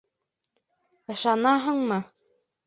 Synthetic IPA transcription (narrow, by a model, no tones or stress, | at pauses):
ɤ̆ʃɑnɑɦɤɴmɤ